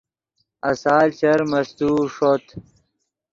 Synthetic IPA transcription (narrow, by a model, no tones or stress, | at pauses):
ɐsaːlt͡ɕɐɾmɐst̪uːʂot̪